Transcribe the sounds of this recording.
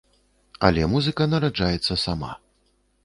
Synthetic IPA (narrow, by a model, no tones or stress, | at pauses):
ɐ̰lʲɛmuzɨkɐnɐɾad͡ʐajɛt̪sːɐsama̰